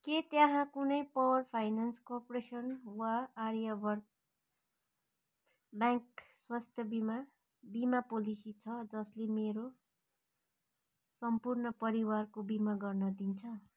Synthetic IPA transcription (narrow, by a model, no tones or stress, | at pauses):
ket̪jãɦãkunʌjpʌwʌrpʰajnanskorpoɾesʌnwaːɾjabʌrt̪̚ | bãŋkswast̪ʰjʌbima | bimapolisit͡sʰʌd͡zʌslemeɾo | sʌmpurnʌpʌɾiwarkobimaɡʌrnʌd̪int͡sʰʌ